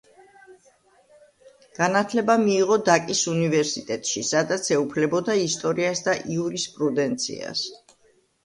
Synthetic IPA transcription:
ɡ̥anat̪ʰlɛbamiːʁɔd̪akʼisunivɛɾsit̪ʼɛt̪ʼʃisad̪at̪sʰɛupʰlɛbɔd̪aist̪ʼɔɾiasd̪aʔiuɾispʼɾud̪ɛnt̪sʰḭa̰s

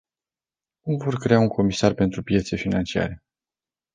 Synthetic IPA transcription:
kumvo̞rkɾe̞auŋkʰo̞misarpe̞nt̪ɾupje̞t̪se̞finant͡ʃia̰ɾe̞

